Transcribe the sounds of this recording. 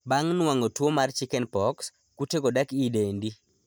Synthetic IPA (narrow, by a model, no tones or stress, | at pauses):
baŋnwaŋɡotwomart͡ʃɪkɛnpɔks | kuteɡodakidendi